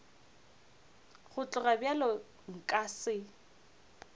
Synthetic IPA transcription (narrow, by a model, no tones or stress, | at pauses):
χʊt͡ɬʼʊrabjalɔ | ŋ̩kʼasɪ